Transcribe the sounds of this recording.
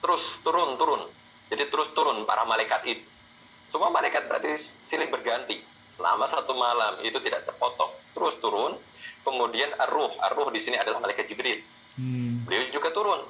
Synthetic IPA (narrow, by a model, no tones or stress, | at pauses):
t̪əɾʊst̪uɾʊnt̪uɾʊn | d͡ʒadit̪əɾʊst̪uɾʊnpa̰ɾahmalajkat̪it̪u̥ | səmuamalajkat̪̚bəɾa̰t̪isilɪŋbərɡant̪i | səla̰masat̪umalamḭt̪ut̪idaʔt̪ərpɔt̪ɔ̰ht̪əɾʊst̪uɾʊn | kəmudianərʊhə̰rːʊhdisiniadalahmalajkat̪̚d͡ʒibɾɪt̪̚ | bəliawd͡ʒuɡat̪uɾʊn